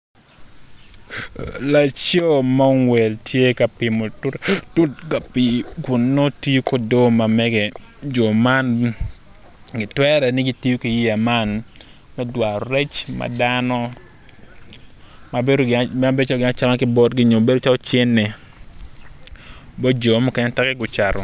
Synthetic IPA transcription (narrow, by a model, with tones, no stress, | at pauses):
la˨t͡ʃo˦ma˦ŋwɛ˨ltʰje˦ka˨pɪ˨mo˨ttʊ˦tka˨pi˨kʊ˨nːo˦ti˦jo˦ko˦do˦ma˨mɛ˦ɡɛ˨d͡ʒo˨ma˦n | ɡɪ˨twɛ˦ɾɛ˨nɪ˦ɡɪ˦ti˦ju˦ki˨ji˦a˨ma˦n | mɛ˦dwa˨ɾɾɛ˦t͡ʃma̰˨danɔ˦ | ma˨beo˦a˦be˦t͡ʃa˦lo˨ɡɪ˨na˦t͡ʃa˦ma˦kɪ˦bɔ˦tɡɪ˦ɲo˨be˦do˦t͡ʃa˦lɔ˦t͡ʃe˦nːe˨ | bɔ˦d͡ʒo˨˦mu˦kɛ˦ɲɛ˦tɛ˦kɛ˦ɡʊ˨t͡ʃa˨ɾɔ̰˨